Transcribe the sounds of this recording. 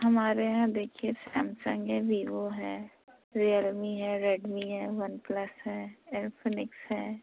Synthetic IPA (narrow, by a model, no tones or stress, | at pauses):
ɦɐmaːɾeɦãd̪eːkʰiesɛ̃ːmsə̃ŋɡɛbiːʋoɦɛː | ɾiəlmiɦɛːɾeːɖmiɦɛːʋɐnpləsɦɛːɛːɾpʰənɪksɦɛː